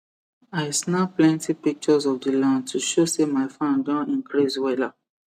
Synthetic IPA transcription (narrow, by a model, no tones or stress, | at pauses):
asnaplɛ̃ntipik̚t͡ʃɔzɔfdilãntʰuʃosemaɪfãnɡɔ̃nĩnkɹiswɛla